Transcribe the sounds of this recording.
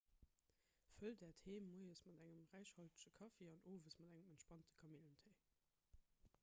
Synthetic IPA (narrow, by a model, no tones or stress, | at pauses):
fəldɛːɐtheːmːuɪəsmɑdæŋəmʁæɪʃhɑltə̥ʃəkʰɑfeːɑnʔoːvəsmɑdæŋəməntʃpɑntə̥kʰɑmiləntʰeː